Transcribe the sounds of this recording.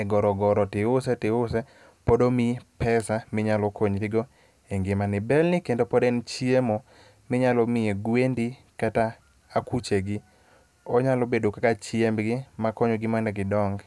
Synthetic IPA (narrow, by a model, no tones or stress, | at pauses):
ɛɡɔɾɔɡɔɾɔtɪʊsɛtɪʊsɛ | podomɪpɛsamɪɲalɔkoɲɾɪɡo | eŋɡɪmanɪbɛlnɪkendopɔdɛnt͡ʃiemo | mɪɲalɔmɪeɡwendi | kataː | kut͡ʃeɡɪ | ɔɲalɔbedokakat͡ʃiembɡɪmakɔɲoɡɪmɛnɛɡɪdɔŋɡ